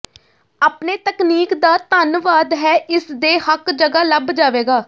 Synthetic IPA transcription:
aːpneːt̪əkniːkd̪aːt̪ənʋaːd̪ɦɛːʔɪsd̪eːhəkd͡ʒəɡaːləbd͡ʒaːʋeːɡaː

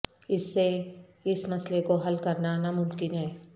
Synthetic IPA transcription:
ɪsːe | ɪsmɐslekoɦɐlkɐɾnanamʊmkɪnɦɛː

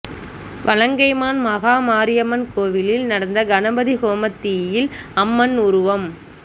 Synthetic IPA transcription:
ʋʔɐlɐŋɡɐɪmaːnmɐɣaːmaːɾɪjɐmɐnkoːʋɪlɪlnɐɽɐnd̪ɐɡɐnɐbɐðiɣoːmɐt̪ːijɪlɐmːɐnʊɾʊʋɐm

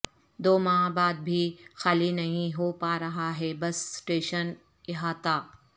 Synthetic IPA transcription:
d̪oːmãːbaːd̪̚bʱixaːlinɐɦĩɦoːpaːɾɐɦaːɦeːbɐsːʈeːʃən | jɐɦaːt̪aː

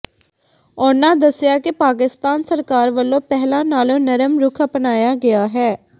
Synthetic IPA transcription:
ɔnãːd̪əsːjaːkɪpaːk̬ɪst̪aːnsəɾkaːɾʋəlːõːpɛɦlãːnaːlõːnəɾəmɾʊkʰəpnaːjaːɡɪaːɦɛː

